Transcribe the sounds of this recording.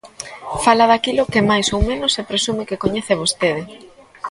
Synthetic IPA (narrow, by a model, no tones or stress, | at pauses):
falaðakilʊkɪmajsowmẽnʊsepɾesumɪkɪkoɲeθeβ̞ost̪eðɪ